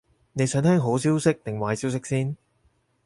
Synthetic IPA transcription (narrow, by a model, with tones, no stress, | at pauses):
ne˨˧jsœː˨˥ŋt̪ʰɛː˥ŋɦo˨˥wsiː˥wsɪ˥k̚t̪ɪ˨ŋwaː˨˧jsiː˥ws̬ɪ˥k̚siː˥n